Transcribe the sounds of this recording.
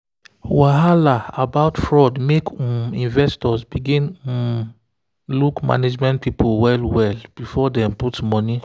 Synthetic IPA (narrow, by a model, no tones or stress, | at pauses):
waɦalaabaʊtfɹɔdmekĩnvɛstɔsbiɡĩn | lukma̰ned͡ʒmɛ̃ntpʰipowɛlwɛlb̥ifɔdɛ̃mputmɔni